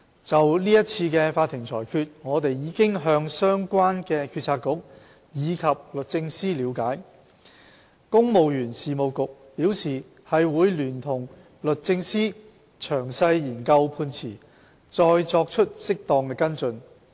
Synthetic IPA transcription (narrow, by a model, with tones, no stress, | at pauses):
t͡sɐ˨wliː˥jɐ˥t̚t͡sʰiː˧kɛ˧faː˧t̪ʰːɪ˨˩ŋt͡sʰɔ̰ː˨˩jkʰyː˧t̚ŋɔː˨˧t̪e˨jjiː˨˧kɪ˥ŋɦœː˧ŋsœː˥ŋkʷwaː˥nkɛː˧kʰyː˧t̚t͡sʰaː˧t̚kːʊ˨˥k̚ | jiː˨˧kʰɐ˨p̚lɵ˨t̚t͡sɪ˧ŋsiː˥liː˨˧wkaː˨˥j | kʊ˥ŋmo˨wjyː˨˩nsiː˨mo˨wkʊ˨k̚piː˨˥wsiː˨˩ | hɐ˨jwuː˨˧jlyː˨˩nt̪ʰʊ˨˩ŋ | lɵ˨t̚t͡sɪ˧ŋsiː˥ | t͡ʃʰœː˨˩ŋsɐ˧jjiː˨˩nkɐ˧wpʰuː˧nt͡sʰiː˨˩ | t͡sɔː˧jt͡sɔː˧k̚t͡ʃʰɵ˥t̚sɪ˥k̚t̪ɔː˧ŋkɛː˧kɐ˥nt͡sɵ˧n